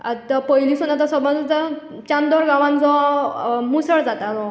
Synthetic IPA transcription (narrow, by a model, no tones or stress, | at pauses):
at̪apəɦilisunat̪ɔsəbə̃nd͡z̪ə | t͡ɕand̪ɔɾɡãʋãnd͡zɔ | musəɭd͡zat̪aɾɔ̃